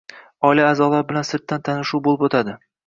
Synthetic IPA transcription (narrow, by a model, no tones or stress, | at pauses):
ɒɪlaːzɒlaɾbɪlansɪɾt̪ːant̪ʰanɪʃuwbolˠɪpot̪ʰad̪ɪ